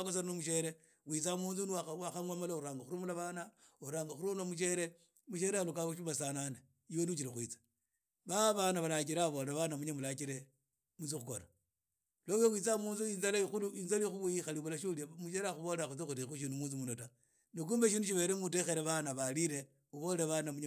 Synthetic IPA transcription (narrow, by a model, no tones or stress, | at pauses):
kosananomuʃeɾe | wit͡samuːnzunawaxamwamalauɾaːŋɡaxuɾumulaβanaoɾaːŋɡaxuɾumulamuʃeɾe | muʃeɾealukauʃumasanane | iwonit͡ʃiɾixwit͡sḁ | βaβanaβalat͡ʃiɾaβoleɾaβanamuɲamulakiɾe | mut͡sixukola | lojowit͡samuːnzuinzalaixuluinzalixuuixaliβulaʃuliamut͡ʃeɾaxuβoleaxut͡sixuɾixuʃ̬inumuːzumunota | nik̬uːmbeʃinuʃ̬iβe̞ɾemute̞xeɾeβanaβaliɾe | uβoleeβanamuɲ